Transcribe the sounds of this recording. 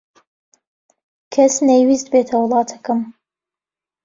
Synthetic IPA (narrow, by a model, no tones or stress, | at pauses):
kʰɐsnejwiːst̪beːt̪ʰɐwɨlˠɑːt̪ʰɐkɨm